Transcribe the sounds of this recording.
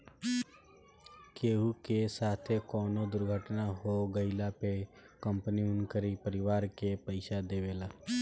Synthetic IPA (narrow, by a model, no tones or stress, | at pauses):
keːɦukesaːt̪ʰekɔːnod̪ʊɾɡʱəʈnaɦoɡəɪlape | kə̃mpəniʊnkəɾipəɾɪʋaːɾkepəɪsad̪eːʋeːlaː